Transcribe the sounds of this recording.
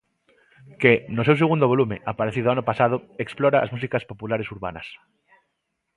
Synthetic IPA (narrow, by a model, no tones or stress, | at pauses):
kenosews̬eɣund̪oβo̞lumẽʔapaɾeθiðoanopasað̞oeksploɾaʔa̰zmus̬ikaspopulaɾesuɾβa̰na̰s